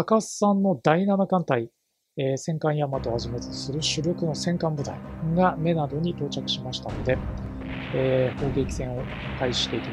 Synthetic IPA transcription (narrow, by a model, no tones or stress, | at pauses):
akassãnːo̞d̪ainanakãnt̪ai | esẽ̞ŋkãɰ̃jamat̪o̞haʑimet̪sɨɾɯ̟ɕɨɾʲokɯ̟no̞sẽ̞ŋkãmbɯ̟t̪a̰iɡame̞nad̪o̞ɲ̟it̪o̞ːt͡ɕakɯ̟̥ɕimaɕi̥t̪ano̞d̪e̞ | eːho̞ːɡe̞kʲi̥sẽ̞ɰ̃o̞ | k̪aiɕi̥t̪e̞ikʲi